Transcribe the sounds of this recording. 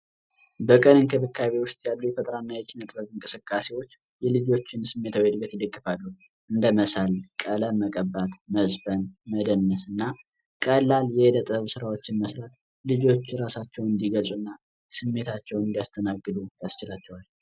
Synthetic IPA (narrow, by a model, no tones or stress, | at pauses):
bəkʼənɨnkʰəbɨkːaβe̞wʊst̪ʼjalːujɛfət̪ʼəɾanːajɛt͡ʃʼinət̪ʼbəβɨŋkʼɨsɨkʼːasewo̞t͡ʃː | jɛlɨd͡ʒo̞t͡ʃːɪnsɨmːe̞t̪ʰawhed̪bət̪ɨlːɨkʼːɨfalːu | ʔɨnd̪əməsalkʼələməkʼəbat̪məzbənməd̪ənːəsɨnːa | kʼəlːaljɛd̪ət̪ʼəβsɨɾawo̞t͡ʃːɪnməsɾat̪ | lɨd͡ʒo̞t͡ʃːɾasat͡ʃːɛwɨnd̪iɡəsʼunːa | sɨmːe̞t̪ʰat͡ʃːɛwɨnd̪ijast̪ʰənaɡːɨd̪ujast͡ʃɪlat͡ʃːɛwal